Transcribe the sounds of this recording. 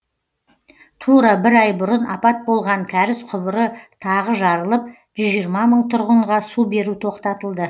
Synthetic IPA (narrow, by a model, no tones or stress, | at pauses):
t̪ʰuɾɑbɪɾɑjbʊɾənɑpɑt̪̚bo̞lˠʁɑŋkʲʰæɾɪsqʰʊbəɾət̪ʰɑʁəʒɑɾəlˠəp̚ | ʒʏzʒijɾmɑməɴt̪ʰʊɾʁəɴʁɑsube̞ɾut̪ʰo̞qt̪ɑt̪əlˠd̪ə